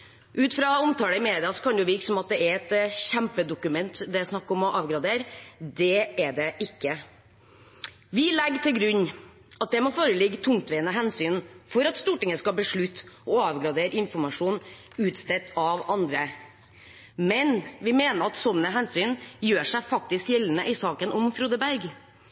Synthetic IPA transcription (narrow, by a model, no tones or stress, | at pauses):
ʔʉːt̪fɾɑɔmt̪ʰɑːləɪmeːd̪ɪɑsɔ̥kʰɑnd̪jʊʋɪksɔmɑt̪̚d̪ɛɛɾɛt̪ɕæmpəd̪ʊkʉmɛnt̪d̪æɛɾæsnɑkːɔmɔʔɑːʋɡɾɑd̪eːɾd̪ɛɛd̪ɛʔɪkːə | ʋɪlɛɡːt̪ʰɪlɡɾʉɲː | ɑt̪̚d̪ɛmɔfoːɾəlɪɡːt̪ʰʊŋt̪ʋeːənəɦɛnsyːnfɔɾɑt̪st̪uːʈɪŋəskɑbəʂɭʉt̪ːɔɑːʋɡɾɑd̪eːɾɪnfɔɾmɑʂuːn | ʉːt̪st̪ɛt̪ɑʋɑnd̪ɾə | mɛnʋɪmeːnəɾɑt̪sɔnːəɦɛnsyːnjøːʂæɪfɑk̚t̪ɪskjɛlːənəʔɪsɑːkənɔmfɾuːd̪əbæɾɡ